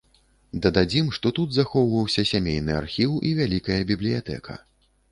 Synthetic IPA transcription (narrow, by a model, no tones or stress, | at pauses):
d̪ɐd̪ad͡zʲimʂt̪ɔt̪ud̪zaxɔwvɐwsʲɐsʲamʲejn̪ɨa̰rxʲiwivʲalʲikɐjɐbʲiblʲijat̪ɛ̰kʰɐ̰